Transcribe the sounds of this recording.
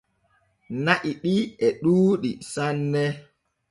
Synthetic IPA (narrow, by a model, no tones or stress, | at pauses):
naʔiɗiɛɗuːɗisanːɛ